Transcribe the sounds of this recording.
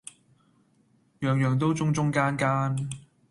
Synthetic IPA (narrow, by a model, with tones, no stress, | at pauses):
jœː˨ŋjœː˨ŋt̪o˥wt͡sʊ˥ŋt͡ʃʊ˥ŋkaː˥nkaː˥n